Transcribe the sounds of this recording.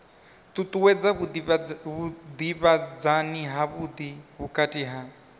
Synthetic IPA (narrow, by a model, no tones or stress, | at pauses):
t̪ʼut̪ʼuwɛd͡za | βud̪iβad͡zaniɦaβud̪iβukʼatʼiɦa